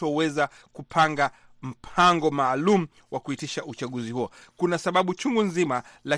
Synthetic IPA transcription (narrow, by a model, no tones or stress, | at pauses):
ɔwɛza | kupʰaŋɡa | m̩pʰaŋɡɔmaːlumu | wakuitiʃaut͡ʃaɠuzihuɔ | kunasaɓaɓut͡ʃuŋɡunzimala